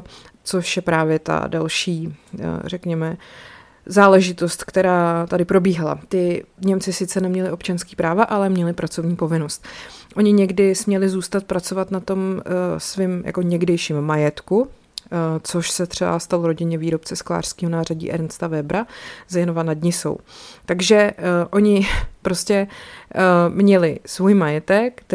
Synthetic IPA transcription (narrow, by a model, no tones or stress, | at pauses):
t͡so̞ʃjɛpɾaːvjɛt̪a̰dalʃiːr̝ɛkɲɛmɛ | zaːlɛʒɪt̪o̞st̪kt̪ɛɾaːt̪adɪpɾo̞biːɦala̰t̪ɪɲɛmt͡sɪsɪt̪t͡sɛnɛmɲɛlɪʔo̞pt͡ʃanskiːpɾaːvaʔalɛmɲɛlɪpɾat͡so̞vɲiːpo̞vɪno̞st̪ʔo̞ɲɪɲɛɡdɪsmɲɛlɪzuːst̪at̪̚pɾat͡so̞vat̪nat̪o̞msvɪmja̰koɲɛɡdɛjʃiːmːajɛt̪ku | t͡so̞ʃsɛt̪r̥ɛba̰st̪aloɾo̞ɟɪɲɛviːɾo̞p̚t͡sɛskla̰ːr̝̥skiːɦonaːraɟḭːʔɛ̰ɾnst̪avɛbɾazjɛnovanadɲɪso̞̰wt̪aɡʒɛʔo̞ɲɪpɾo̞scɛ | mɲɛlɪsvujmajɛt̪ɛkt̪